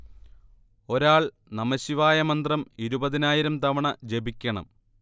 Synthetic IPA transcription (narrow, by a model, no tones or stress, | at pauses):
o̞ɾaːɭ | nɐmɐɕiʋaːjɐmɐnd̪rɐmiɾubɐðinaːjiɾɐmt̪ɐʋɐɳɐd͡ʑe̞bikʲːɐɳɐ̰m